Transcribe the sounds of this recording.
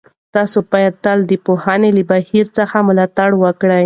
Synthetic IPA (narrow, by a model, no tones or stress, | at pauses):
t̪ɑsopajat̪ald̪əpohɑneləbahiɾt͡səxamʊlɑt̪aɽwəkɽaj